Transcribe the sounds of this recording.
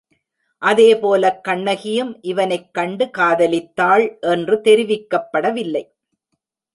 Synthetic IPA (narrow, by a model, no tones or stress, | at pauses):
ʔɐðeːpoːlɐkːɐɳːɐɣɪjɯmʔɪʋɐnɐɪkːɐɳɖɯkaːðɐlɪt̪ːaːɭʔɛndrɯt̪ɛɾɪʋɪkːɐpːɐɽɐʋɪlːɐɪ